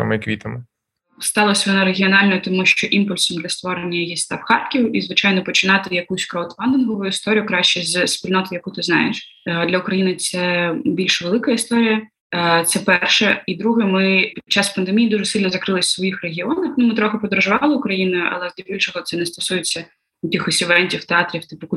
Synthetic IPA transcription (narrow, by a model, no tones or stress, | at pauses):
mɪkʋʲit̪ɪmɪ | st̪ɑlˠɔsʲʋɔnɑɾeɦʲiɔnɑlʲnɔt̪ɔmuʃt͡ʃɔʔimpʊlʲsɔmd̪lʲɐst̪ʋɔɾenʲːɐjjist̪ɑfxɑrt̪̚kʲiwizʋɪt͡ʃɑjnɔpɔt͡ʃɪnɑt̪ɪjɐkusʲkɾowt̪fɑnd̪ɪnɦɔʋʊjʊist̪ɔɾʲijʊkɾɑʃt͡ʃɛzʲspʲilʲnɔt̪ɔjɐkut̪ɪznɑjḛʃd̪lʲɐʊkɾɐjinɪt̪sɛbʲilʲʃʋelˠɪkɐist̪ɔɾʲijɐ | t̪sɛpɛrʃɛid̪ɾuɦɛmɪpʲi̥t͡ʃːɑspɐnd̪emʲijːd̪uʒɛsɪlʲnɔzɐkɾɪlˠɪsʲsʋɔjixreɦʲiɔnɐxnʊmɪt̪ɾɔxɪpɔd̪ɾɔʒʊʋɑlˠɪʊkɾɐjinɐʔɐ̰lˠɛzd̪lʲɐbʲilʲʃɔɦɔt̪sɛnɛst̪ɔsujɪt͡sʲːɐ | kʲixɔsʲiʋɛnʲtʲiwt̪eɑt̪ɾʲiwt̪ɪpʊku